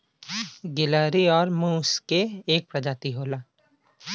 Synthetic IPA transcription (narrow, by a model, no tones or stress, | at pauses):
ɡɪləːɾiɔːɾmũːskeːk̚pɾɐd͡ʒaːt̪iɦoːlaː